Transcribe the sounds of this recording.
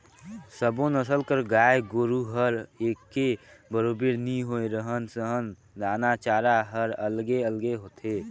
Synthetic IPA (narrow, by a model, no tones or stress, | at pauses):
səbõnəsəlkəɾɡaːjeɡoːɾuɦəɾekːebəɾobeɾniɦoeɾəɦənsəɦən | d̪aːnat͡ʃaːɾaɦəɾəlɡeəlɡeɦoːt̪ʰe